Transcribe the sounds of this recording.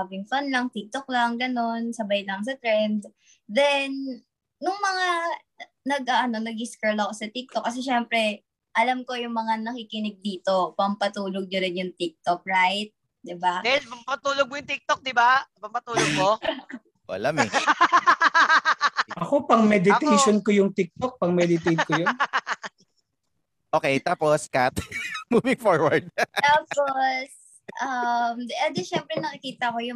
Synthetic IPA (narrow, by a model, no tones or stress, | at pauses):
bɪŋfanlɐŋt̪ɪk̚t̪ok̚laŋɡɐno̞nsɐbajlɐŋs̬ɐt̪ɾɛnd̪ | d̪ɛnː | ʊŋmɐŋa | nɐɡ̚ʔaʔɐno̞nɐɡ̚ɪskɛɹlɐɐko̞sɐt̪ɪk̚t̪ok̚ːɐs̬ɛʃɛmpɾɛ | ʔɐlamko̞jʊŋmɐŋanɐkikɪnɪɡ̚d̪iːt̪o̞pɐmpɐt̪uːloɡ̚ɲʊɾɪnjʊŋt̪ɪk̚t̪ok̚ɹajt̪̚ | d̪ɪbaɛpɐmpɐt̪uːloɡ̚mojʊŋt̪ɪk̚t̪ok̚d̪ɪbapɐmpɐt̪uːoɡ̚mo | oʔɐ̰lɐmɛ | ʔɐko̞pɐŋmɛd̪ɪejʃonkojʊŋt̪ɪk̚t̪ok̚pɐŋmɛd̪ɪt̪ɛjd̪kojon | ʔoːkɛjt̪aːposkat̪muːvɪŋfoɹwɐɹd̪̚t̪aːpos | ʔɐmɛd̪ɛʃɛmpɾɛnɐkɪkiːt̪ɐkojʊ